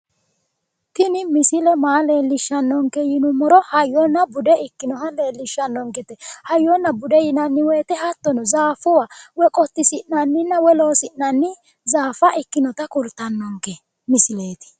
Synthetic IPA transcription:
t̪ɪnɪmɪsɪlɛmaːleːlːɪʃːɐnːɔŋkːɛjɪnʊmɔɾɔhɐjːɔnːɐbʊd̪ɛɪkːɪnɔhɐle̞ːlːɪʃːɐnːɔŋkɛt̪ɛhɐjːɔnːɐbʊd̪ɛjɪnɐnːɪwɛːt̪ɛhɐt̪ːɔnɔzaːfʊwawɛkʼɔt̪ːɪsɪnnɐnːɪnːɐwɛloːsɪʔnɐnːɪ | zaːfɐʔɪkːɪnɔt̪ɐkʊɾt̪ːɐnːɔŋkɛ | mɪsɪle̞ːt̪ɪ̥

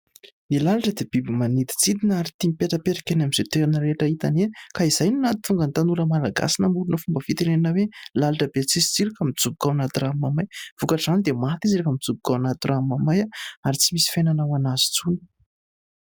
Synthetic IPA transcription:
nilalaʈ͡ʂəd̪ebibimanid̪i̥t͡sid̪inaɾit̪imipeʈ͡ʂapeɾḁkʲenamiz̥et̪eɾinəɾeʈ͡ʂait̪anekaiz̥ajnunat̪i̥t̪uŋɡənt̪anuɾəmalaɡa̰sinəmulunəfumbəfit̪eɾeninəwelalaʈ͡ʂəbet͡sisi̥t͡siɾikamit͡subu̥kawanat̪iramamajv̥ukaʈ͡ʂzanid̪emat̪iziɾakamit͡sub̚ukawanat̪iramamajaaɾit͡simisi̥fenanawanazi̥t͡suni̥

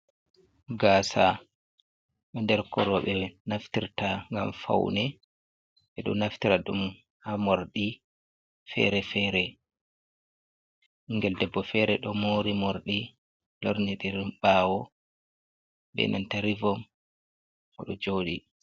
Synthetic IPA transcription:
ɡaːsa | ɓɛndɛɾkɔɾɔɓɛnaftiɾtaŋɡamfa̰wnɛ | ɓɛɗɔnaftiɾaɗum | hamoɾɗi | fɛ̰ɾɛfɛːɾɛ | iŋɡɛldɛbːɔfɛɾɛɗɔmoɾimoɾɗi | loɾniɗiɾimɓaːwɔ | ɓɛ̰nʔa̰ntaɾivɔm | ɔ̰ɗɔd͡ʒoɗi

